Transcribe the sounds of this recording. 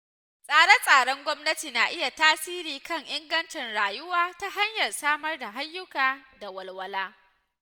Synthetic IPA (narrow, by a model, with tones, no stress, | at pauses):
sʼaː˨ɽɛ˦sʼaː˨ɽɔ˦ŋɡʷɔ˦mnɐ˦tiː˨na˨ʔɪ˦ja˨taː˦siː˦ɾiː˨kɐ˦˨ŋʔɪ˦ŋɡɐ˦nt͡ʃɛ˨nɽaː˨jʊ˦waː˦ta˦ɦa˦ɲjɐ˨rsaː˦mɐ˦rda˨ɦa˦jːʊ˦kaː˨da˨wɐ˨lwɐ˦laː˦